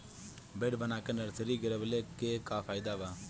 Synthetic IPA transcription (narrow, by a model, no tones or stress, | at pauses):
beɖbənaːkeːnəɾsəɾiːɡɪɾebəleːkeːkaːfʰaːɪd̪aːbaː